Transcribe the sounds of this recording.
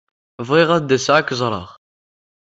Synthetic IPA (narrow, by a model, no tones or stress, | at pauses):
vʁiʁæd̪ːæsʕakːəzˤɾˤɑ̰ʁ